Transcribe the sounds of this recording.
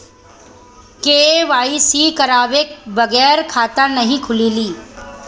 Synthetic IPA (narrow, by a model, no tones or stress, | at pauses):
keːʋaːisikɐɾaːʋeːk̚bɐɡɛːɾkʰaːt̪ənɐɦĩkʰʊliːliː